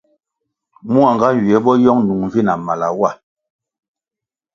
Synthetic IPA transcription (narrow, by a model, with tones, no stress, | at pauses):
mu˦a˨ŋɡa˦˨ɥi˨ɛ˨˦bɔ˦jɔ˦ŋnu˨ŋɱ˨vi˦na˨ma˨la̰˨wa˦˨